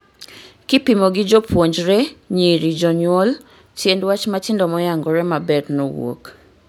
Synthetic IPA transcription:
kɪpimoɡɪd͡ʒɔpwoɲd͡ʒɾɛɲeɾid͡ʒɔɲwɔl | tjendwat͡ʃmatɪndɔmɔjaŋɡɔɾɛmabɛdnɔwo̰k

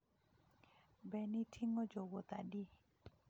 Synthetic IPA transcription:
bɛnitʰiŋɔd͡ʒoɡot̪adi

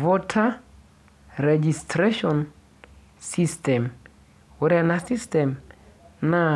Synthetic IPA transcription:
vɔtʰa | ɾɛd͡ʒistɾeʃɔn | sistɛm | uɾanasistɛm | na

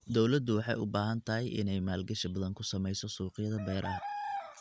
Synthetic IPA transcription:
d̪ɔwlɐd̪ʊwɑħɑ̰jʊ̰baːɦɐnt̪ʰɐɦɛjʔɪ̰nɛjmaːlɡɐʃɐbɐðɐŋkʰʊsɐmɛjsɔsuːqɪjɐðɐbɛːɾʔɐ

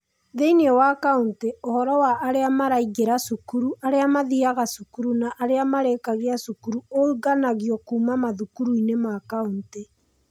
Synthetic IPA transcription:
ðeinɔwakaunteohɔɾɔwaʔːɾeamaɾaiɣeɾasukuɾuʔaɾeamaðiaɣasukuɾunaʔːɾeamaɾekaɣeasukuɾuouɣanaɣjɔkuːmamaðukuɾuinemakaunte

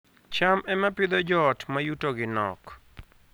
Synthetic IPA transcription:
t͡ʃamɛmapɪd̪ɔd͡ʒɔtmajutoɡɪnɔ̰k

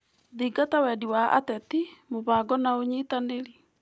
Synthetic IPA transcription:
ðiːɡatawɛdiwaa̰tɛtimoβaːɡɔnaoɲiːtaneɾi

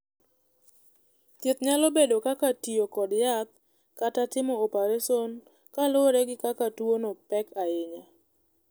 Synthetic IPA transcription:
t̪ɪt̪ɲalobedokakatijokɔdjat̪̚ | katatɪmɔopaɾeson | kaloɾɛɡɪkakatuonopɛkaɪɲa

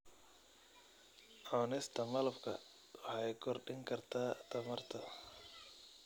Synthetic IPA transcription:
ʔaːnɛst̪ʰɐmɐlɐfkʰɐ̰ | wħɑjkʰɔrɖɪŋkʰɐrt̪ʰaːt̪ʰɐmɐrt̪ʰɐ

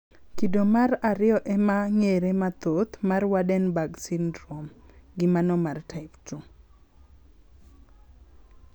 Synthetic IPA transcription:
kidomaɾaɾɪɔʔɛmaŋeɾemat̪ot̪marwadɛnbaɡsindɾomɡɪmanɔmartʰaɪptu

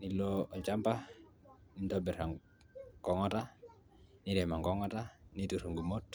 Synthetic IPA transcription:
niloɔt͡ʃampah | nint̪ɔbɛraŋ | kɔŋɔta | niɾɛmaŋkɔŋɔtanit̪uɾuŋɡumɔt

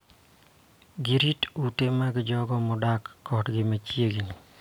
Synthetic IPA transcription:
ɡiɾitutemaɡɪd͡ʒɔɡɔmɔdakːɔtɡɪmat͡ʃjeɡini

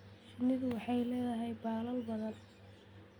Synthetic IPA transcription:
ʃɪnɪðʊwɑħɑjlɛːðɐɦɛjbɑːlɐlbɐðɐn

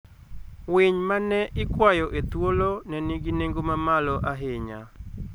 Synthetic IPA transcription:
wɪɲmanɛʔɪkwajɔʔet̪wolonɛniɡineŋɡomamalɔʔaɦeɲa̰

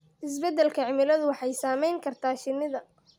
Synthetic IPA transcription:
ʔɪsbɛd̪ɛlkʰɐʕɪmɪlɐðʊwɑħɑjsaːmɛjŋkʰɐrt̪ʰaːʃɪnɪðɐ

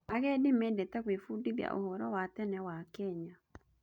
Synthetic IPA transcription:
aɣɛdimedɛtɛɣwefudiβja̰ʔo̰hɔɾɔwatɛnɛwakɛɲa

